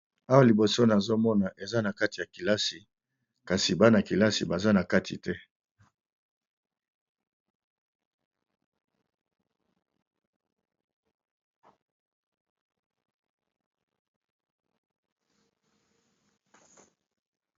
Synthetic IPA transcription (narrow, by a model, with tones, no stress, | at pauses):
a˦wa˦li˨bo˨so˦na˨zo˦mɔ˦na˨ʔe˨za˦na˨ka˦ti˨ja˨ki˨la˦si˨ | ka˨si˨ba˦na˨ki˨la˦sḭ˨ba˨za˦na˨ka˦tʰi˨tɛ˦